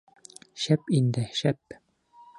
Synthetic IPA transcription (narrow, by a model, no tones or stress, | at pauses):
ʃæpind̪ɘʃæp